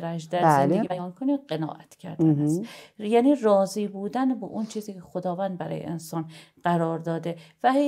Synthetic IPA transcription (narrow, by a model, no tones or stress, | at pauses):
ɾæʒd̪æeleibæjɒːnkʰoniɢenɒ̰ːʔæt̪ʰcʰæɾd̪æsjæːniːrɒːziːbuːd̪ænbɒ̰ʔunt͡ʃʰiːziːcʰexod̪ɒːvæːnd̪̚bæɾɒ̰ːjḛʔḛnsɒːn | ɢ̥æɾɒːɾd̪ɒːd̪evæɦ